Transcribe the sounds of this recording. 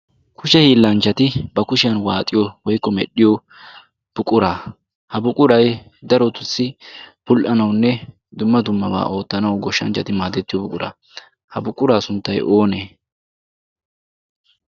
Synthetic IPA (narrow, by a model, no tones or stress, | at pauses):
kʰʊʃɛhiːlːɐnt͡ʃːɐt̪ɪbɐkʊʃɪjɐnwaːt̪ʼɪjɔwɔjkːɔmɛ̰ɗːɪjɔ | b̥ʊkʼʊɾaː | hɐbʊkʼʊɾɐj | d̪ɐɾɔt̪ʊsːɪb̥ʊlʔɐnɐwnːɛ | d̪ʊmːɐd̪ʊmːɐba̰ːʔo̞ːt̪ːɐnɐwɡɔʃːɐ̰nt͡ʃːɐt̪ɪmaːd̪ɛt̪ːɪjɔbʊkʼʊɾa̰ː | hɐbʊkʼːʊɾaːsʊnt̪ːɐjʔo̞ːneː